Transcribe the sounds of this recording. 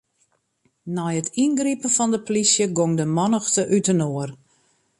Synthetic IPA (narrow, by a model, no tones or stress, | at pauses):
nɔjətʰinɡripənfɔndəplisjəɡoŋdəmɔnəxtəʔytənoər